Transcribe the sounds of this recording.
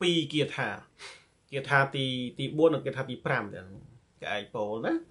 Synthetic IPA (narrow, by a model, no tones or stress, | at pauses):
piːkiət̪ʰaː | kiət̪ʰaːt̪iːt̪iːɓuənːɨŋkiət̪ʰaːt̪iːpramt̪ɛ̆əŋ | keʔaːk̚poːlna